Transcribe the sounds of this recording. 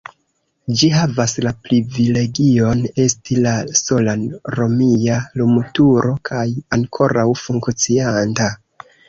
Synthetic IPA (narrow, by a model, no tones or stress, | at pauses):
d͡ʒiɦavaslapɾivile̞ɡio̞ne̞stilaso̞lanɾo̞mialumutuɾʔo̞kʰajaŋkʰo̞ɾawfuŋkt͡sianta